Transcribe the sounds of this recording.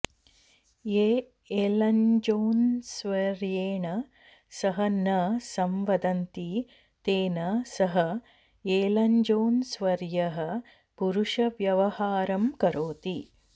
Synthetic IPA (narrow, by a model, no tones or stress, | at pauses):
jeː | eːlɐɲd͡ʒoːnsʋɐɾjeːɳɐ | sɐɦɐnɐsɐmʋɐd̪ɐnt̪i | t̪eːnɐsɐɦɐ | eːlɐɲd͡ʒoːnsʋɐɾjɐɦɐ̆ | puɾuʂɐʋjɐʋɐhaːɾɐmkɐɾoːt̪i